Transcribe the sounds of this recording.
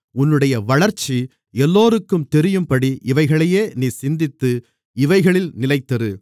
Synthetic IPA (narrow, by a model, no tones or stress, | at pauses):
ʊnːɯɽɐjɐʋɐɭɐɾt͡ʃːi | ɛlːoːɾɯkːɯmt̪ɛɾɪjɯmpɐɽiʔɪʋɐɪɣɐɭɐjeːniːsɪnd̪ɪt̪ːɯ | ɪʋɐɪɣɐɭɪlnɪlɐɪt̪ːɐɾɯ